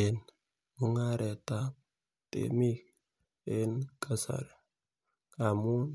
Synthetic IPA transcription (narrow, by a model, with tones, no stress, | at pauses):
e˨n | mu˦ŋa˦ɾɛ˨ta˦ | tḛ˨mi˦k | e˦nka˨sa̰˨ɾ | ka˨mu˦n